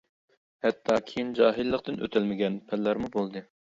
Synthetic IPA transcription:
hɛt̪ʰːɑkʲʰejind͡ʒɑːɦilːəqt̪ɨnʔø̰t̪ʰælmɪɡʲɛnpʰælːæɾmubolˠd̪ɨ

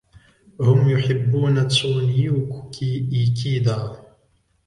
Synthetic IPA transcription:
hʊmjʊħɪbːuːnat̪ːuːnɪjuːkkiʔiːkiːd̪aː

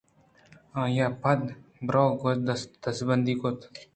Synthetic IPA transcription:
ãːjapɐd̪bɾɔːɡod̪d̪̥ɐsbɐnd̪ikot̪

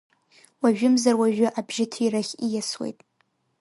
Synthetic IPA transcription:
waʒᶣɪmzarwaʒᶣʊʔabʒɪtʰiraχʲijaswḛjtʼ

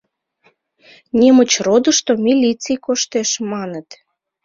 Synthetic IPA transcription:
nʲemət͡ɕrod̪əʃt̪omʲilʲit͡sijkoʃt̪eʃmɑnət̪

